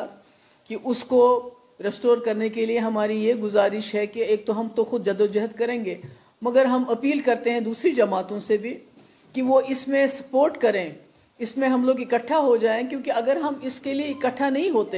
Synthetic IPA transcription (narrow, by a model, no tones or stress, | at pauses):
kiʔʊsko | ɾesʈoːɾkɐɾnekelieɦɐmaːɾijeɡʊzaːɾɪʃɦɛkeeːk̚t̪oɦɐmt̪oxʊd̪̚d͡ʒɐd̪od͡ʒɐɦəd̪̚kɐɾẽːŋɡeː | mɐɡəɾɦɐmɐpiːlkɐɾt̪eɦɛ̃d̪uːsɾid͡ʒɐmaːt̪õsebʱi | kiʋoʔɪsmẽsɐ̥poːɾʈkɐɾẽː | ɪsmẽɦɐmloːɡɪkəʈʰːaɦod͡ʒaːẽkjõːkiɐɡəɾɦɐmɪskelieɪkəʈʰːanɐɦĩɦoːt̪e